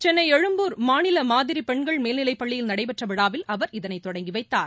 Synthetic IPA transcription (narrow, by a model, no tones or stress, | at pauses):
t͡ʃɛnːɐɪɛɻɯmbuːɾmaːnɪlɐmaːðɪɾipɛɳɡɐɭmeːlnɪlɐɪpːɐɭːɪjɪlnɐɽɐɪpɛʈrɐʋɪɽaːʋɪlʔɐʋɐɾɪðɐnɐɪt̪ːɔɽɐŋɡɪʋɐɪt̪ːaːɾ